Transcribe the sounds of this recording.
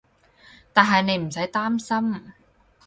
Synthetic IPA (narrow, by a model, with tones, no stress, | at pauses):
t̪aː˨nɦɐ˨jne˨˧jm̩˨˩sɐ˨˥jt̪aː˥msɐ˥m